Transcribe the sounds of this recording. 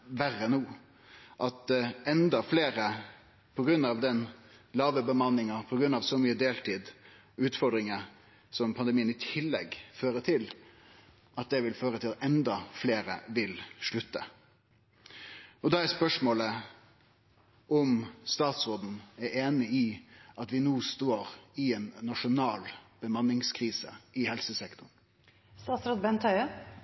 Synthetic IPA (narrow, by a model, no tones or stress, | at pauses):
ʋæɾənuː | ʔɑt̪ɛnd̪ɑfleːɾə | pʰɔɡɾʉnːɑʋd̪ɛnlɑːʋəbəmɑnɪŋɑpʰɔɡɾʉnːɑʋsɔmyːəd̪eːlt̪ʰiːd̪ | ʉːt̪fɔɾd̪ɾɪŋɑ | sɔmpʰɑnd̪ɛmiːənɪt̪ʰɪlːɛɡføːɾət̪ʰɪl | ʔɑt̪̚d̪ɛʋɪlføːɾət̪ʰɪlɛnd̪ɑfleːɾə̰ʋɪlʂɭʉt̪ːə̰ | ɔd̪ɑæspœʂmoːlə | ʔɔmst̪ɑːt̪sɾoːd̪n̩æɾeːnɪɪɑt̪ʋɪnuːst̪oːɾɪɛːnːɑʂʊnɑːlb̥əmɑnːɪŋskʰɾiːsə̰ɪhɛlsəsɛkt̪ʊn | st̪ɑːt̪sɾɔd̪̚bɛnt̪ʰœʏə